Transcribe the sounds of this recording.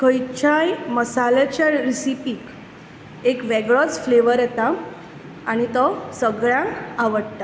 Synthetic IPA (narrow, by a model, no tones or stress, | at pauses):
kəjt͡ɕʰajməsalet͡ɕaɾisipiːk | ekʋɛɡɭɔt͡sfleʋəɾjɛt̪aː | ñit̪ɔsəɡɭjãŋkaʋəɽt̪a